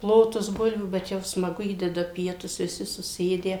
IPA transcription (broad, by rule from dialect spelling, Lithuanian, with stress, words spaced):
ˈplˠoːtʊs ˈbʊlʲʋʲuː bʲɛt ˈjɛʊ smɐˈɡʊ ˈiːdʲɛdɐ ˈpʲiɛtʊs ʋʲɪˈsʲɪ sʊˈsʲeːdʲæː